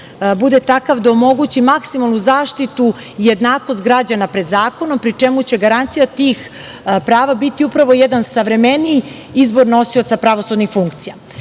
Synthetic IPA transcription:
bud̪et̪akaʋd̪aomo̞ɡut͡ɕimaksimalˠnuzaːʃt̪it̪u | ije̞d̪naːko̞st̪̚ɡɾad͡ʑanapɾe̞d̪zaːko̞nompɾit͡ʂe̞mut͡ɕe̞ɡaɾant̪sijat̪iːx | pɾaːʋabit̪iupɾaʋo̞jed̪ansaʋɾe̞meni | izbo̞ɾno̞sio̞t̪sapɾaʋo̞sud̪nixfuŋkt̪sija

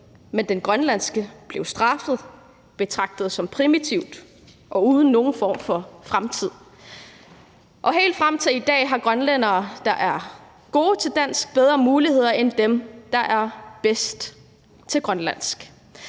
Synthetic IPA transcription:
mend̥enɡ̥ʁɶnlæn̰sɡ̥əb̥le̝ʊsd̥ʁɑ̈fəð̞̩ˠ | b̥e̝t͡sʰʁɑ̈ɡ̥̚d̥əð̞̩ˠsɒ̽mpʰʁimit͡sʰiʊd̥ | ʔɒ̽uːð̞ˠn̩ːo̝ːn̩fɒ̰ːmfɒ̽fʁamt͡sʰið̞̰ˠ | ʔɒ̽ɦe̝̰ːld̥fʁamt͡sʰiid̥ɛ̰ːɦɑ̈ɡ̥ʁɶnlen̰ɐːd̥ɑ̈ʔæɐ | ɡ̥o̝ːt͡sʰe̝ld̥æn̰sɡ̥̚b̥eð̞ˠʁɐːmuːlihe̝ð̞̰ˠɐʔend̥emd̥ɑ̈ʔæɐb̥esd̥ | t͡sʰe̝lɡ̥ʁɶnlæn̰sɡ̥

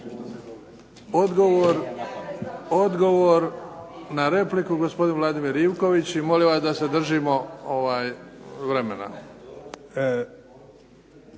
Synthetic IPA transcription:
od̪ɡoʋoɾ | od̪ɡo̞ʋoɾnaɾe̞plikuɡospo̞d̪inʋlˠad̪imiɾiwko̞ʋit͡ɕimo̞liʋasd̪ase̞d̪r̩ʒimo̞oʋaːjʋɾe̞me̞na̰

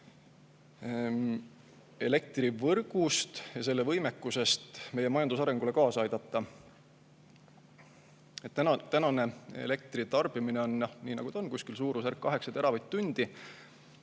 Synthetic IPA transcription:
e̞le̞k̚t̪rivɤrɡ̥ust̪jɑs̬e̞lːe̞vɤjme̞kːuse̞st̪me̞je̞mɑjɑnd̪usɑɾe̞ŋɡ̥ule̞kɑːsɑjd̪̥ɑt̪ˑːɑ | et̪ːæt̪ænɑne̞ḛle̞k̚t̪rit̪ɑrb̥imineo̞njɑniːnɑɡ̥ud̪ɑonkuskilsuːɾusærkːɑɦe̞ksɑt̪e̞ɾɑvɑjt̪t̪ːunʲd̪̥i

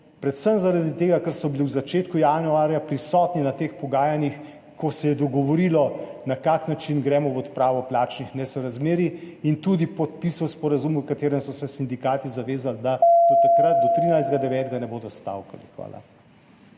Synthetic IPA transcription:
pɾɛt̪səmzaɾad̪it̪eːɡakəɾsɔbiliwzat͡ʃeːt̪kujanuaːɾjapɾisɔːt̪ninat̪eːxpɔɡaːjanix | kɔsɛjɛd̪ɔɡɔʋɔɾilɔnakaknat͡ʃinɡɾɛːmɔʋɔt̪pɾaːʋɔplaːt͡ʃnixnɛsɔɾazmeːɾi | int̪ud̪ipɔt̪̚pisɔwspɔɾazumukat̪eːɾɛmsɔsɛsind̪ikaːt̪izaʋeːzald̪at̪at̪akɾat̪̚d̪ɔt̪ɾiːnajzd̪ɡad̪ɛʋɛːt̪ɡanɛboːd̪ɔst̪a̰wka̰lixʋa̰ːla̰

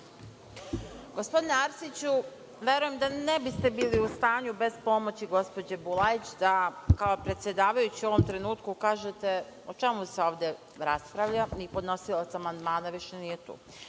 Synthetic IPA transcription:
ɡo̞spo̞d̪ineaɾsit͡ɕu | ʋe̞ɾuje̞md̪ane̞bist̪e̞biːliust̪aːɲube̞spo̞mo̞t͡ɕiɡo̞spo̞d͡ʑebulˠait͡ɕd̪akaopɾe̞t̪sje̞d̪aːʋajut͡ɕio̞ʋomt̪ɾe̞nuːt̪kukaːʒet̪e̞o̞t͡ʃe̞museo̞ːʋd̪e̞ | ɾaspɾaʋʎanipo̞d̪no̞silˠat̪samand̪maːnaʋiʃenije̞t̪ṵː

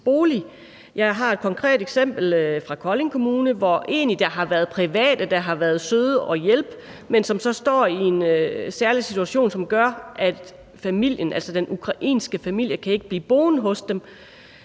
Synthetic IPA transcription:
b̥o̝ːli | jɑ̈ɪɦɑ̈e̝d̥kʰɒ̽ŋkʰʁɛ̰ːd̥eɡ̥sem̰b̥l̩fʁɑ̈kʰɒ̽le̝ŋkʰo̝muːnəʋɒʔe̝̰ːnlid̥ɑ̈ɦɑ̈ʋæːɐð̞̩ˠpʰʁiʋɛ̰ːd̥əd̥ɑ̈ɦɑ̈ʋæːɐð̞̩ˠsøð̞ˠəʔɒ̽jelb̥ | mensɒ̽msɒ̽sd̥ɒ̰ːie̝nsæɐlisit͡sʰuæɕo̝̰ːnsɒ̽mɡ̥ɶɐʔæ̥ | fæmil̰jənʔæl̰sɒd̥enʔukʰʁɑ̈ʔḭːnsɡ̥əfæmil̰jəkʰæe̝ɡ̥əb̥lḭːb̥o̝ːn̩ɦɔ̽sd̥em

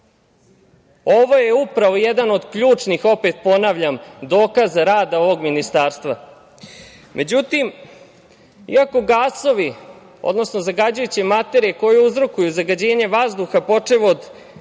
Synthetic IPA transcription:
o̞ʋo̞jeupɾaʋo̞jed̪ano̞d̪kʎuːt͡ʂnixo̞pet̪̚po̞naʋʎamd̪o̞ːkazɾaːd̪ao̞ʋo̞ɡminist̪aːɾst̪ʋa | mʔe̞d͡ʑut̪im | ḭako̞ɡaːso̞ʋi | o̰d̪no̞sno̞zaɡad͡ʑujut͡ɕimat̪e̞ɾijeko̞jeuzɾo̞kujuzaɡad͡ʑe̞ːɲe̞ʋazd̪uxapo̞t͡ʂeʋod̪

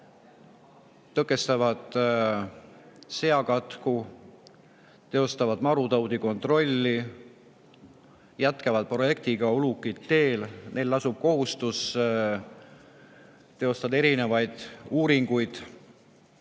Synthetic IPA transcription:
t̪ɤkːˑe̞st̪ɑvɑd̪̥ | se̞ɑkɑt̪ku | t̪e̞o̞st̪ɑvɑd̪mɑɾut̪ɑwd̪iko̞nt̪ˑro̞lʲːi | jæt̪kɑvɑd̪̥̚pro̞je̞k̚t̪iɡ̥ɑolukːˑit̪ːe̞ːlne̞jlːɑsub̥̚ko̞ɦust̪us | t̪e̞o̞st̪ɑd̪e̞ɾine̞vɑjd̪̥uːɾiŋɡ̥ujd̪̥

